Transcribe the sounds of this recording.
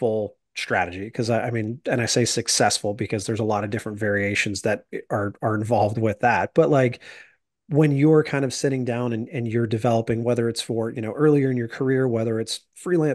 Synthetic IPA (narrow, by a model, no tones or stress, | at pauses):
fʊl̩ˠ | stɹ̥æ̰ɾɨd͡ʒikʰʌzaɪʔaɪmĩnɨ̃ɾ̃aɪseɪsɨksɛsfl̩ˠbɨkʰʌzðə˞zəlɔɾʌvdɪfɹɨ̃ntvɛɹieɪʃɨ̃n̩zðɨɾə˞ə˞ɨ̃ɱvɑlˠvd̚wɪðæt̚b̥ʌʔˡlaɪk | wə̃njə˞kʰãɪ̃ndʌv̥sɪɾɪ̃ŋdãʊ̃nɨ̃nɨ̃njə˞dɨvɛlˠəpɪ̃ŋwɛðə˞ɨtsfə˞jɨñoʊʔɜ˞lˠiə˞ɨ̃njə˞kʰə˞ɪɹwɛðə˞ɨts | fɹilæ̃